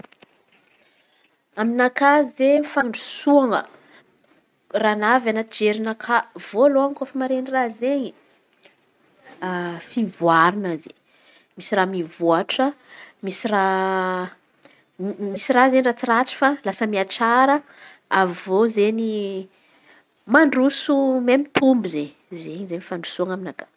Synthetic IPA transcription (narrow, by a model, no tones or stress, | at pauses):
aminakazzefaɳɖ͡ʐusuaŋə̰ | ranavanad͡ʒeɾinakʰav̥oaloaŋkofəmaɾenirazeɲi | fivuaɾinaze | misiramivuaʈ͡ʂəmisira | misirazeɲirat͡sirat͡si̥falasəmiat͡saɾə | avozeɲi | maɳɖ͡ʐusumemit̪ʰumbizeɲ | zeɲzeɲifaɳɖ͡ʐu̥suaŋaminakḁ